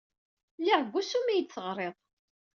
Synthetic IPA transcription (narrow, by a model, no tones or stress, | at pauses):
liʁɡʷːusumijt͡sːəʁɾˤeðˤ